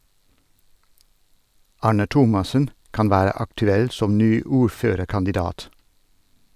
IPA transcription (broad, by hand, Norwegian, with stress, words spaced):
ˈɑːɳə ˈtʊmɑsən ˈkɑn ˈʋæːɾə ɑktʉˈɛl ˈsɔm ˈnyː ˈuːɾˌføːɾəɾkɑndɪˌdɑːt